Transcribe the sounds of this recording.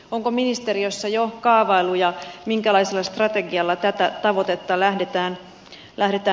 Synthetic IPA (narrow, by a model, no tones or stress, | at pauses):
oŋkominist̪eriosːɑjokɑːʋɑilːujɑmiŋkælɑiselːɑst̪rɑt̪eɡiɑlːɑt̪æt̪æt̪ɑʋot̪et̪ːɑlæhdet̪æːn | lʔæhdet̪æː